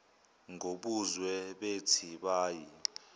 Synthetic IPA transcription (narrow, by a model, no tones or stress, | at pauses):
ŋɡʱoɓuzwɛɓetʰiɓaːji